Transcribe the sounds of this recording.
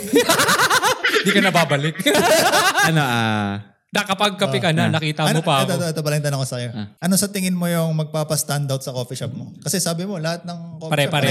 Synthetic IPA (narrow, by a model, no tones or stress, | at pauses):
d̪ikɐnɐbaːbɐlɪk̚ | ɐnaa | nɐkɐpɐɡ̚kɐɪkɐnanɐkiːt̪ɐɐnmopaɛt̪ot̪oɛt̪o̞bɐlɛnt̪ɐnɐkosɐjoʔɐno̞sɐt̪ɪŋɪnmo̞jʊŋmɐɡ̚paːpɐst̪and̪awt̪̚sɐkofiʃɐp̚mokɐsɛsaːbɪmo̞lɐhat̪̚nɐŋkopaɾɛpaɾɛ